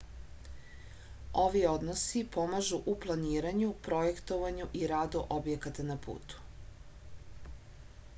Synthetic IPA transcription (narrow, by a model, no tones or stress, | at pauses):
o̞ʋio̞d̪nosipo̞maʒuʔuplˠaniːɾaɲupɾo̞je̞kt̪oʋaɲuʔiɾad̪uʔobje̞kat̪anapʰṵːt̪u̥